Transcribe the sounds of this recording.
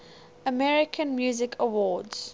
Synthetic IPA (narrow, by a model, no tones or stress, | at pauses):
əmɛɹɪkʰə̃nmjuːzɪkʰəwɔːdz̥